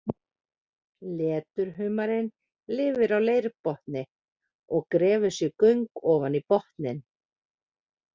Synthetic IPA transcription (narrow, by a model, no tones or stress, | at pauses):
lɛːt̪ʏɾ̥ɦʏːmaɾɪn | lɪːvʏɾawleːjɾpɔht̪nɪ | ɔɣkɾɛːvʏ̥sjɛɣkœɥŋkɔːvanipɔht̪nɪn